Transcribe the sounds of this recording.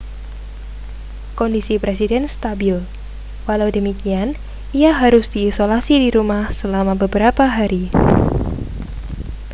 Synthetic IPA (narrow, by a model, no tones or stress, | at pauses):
kɔndisipɾesidɛnst̪abɪl | walawdəmikian | iaɦaɾʊsd̥iːsolasidiɾumahsəlamabəbəɾapaɦaɾi